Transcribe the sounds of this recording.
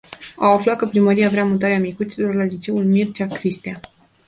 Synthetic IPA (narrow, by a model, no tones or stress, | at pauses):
a̰waflat̪̚kəpɾiməɾijavɾeamut̪aɾeamikut͡ʃ̪ilo̞rlalit͡ʃe̞ulmirt͡ʃakɾist̪a